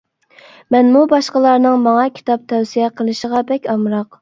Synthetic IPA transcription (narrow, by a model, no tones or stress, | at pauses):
mɛnmubɑʃqəlˠɑɾnɨŋmɑŋɑkʲʰi̥t̪ʰɑp̚t̪ʰɛwsijɛqʰəlˠɨʃəʁɑbɛkʲɑmɾɑq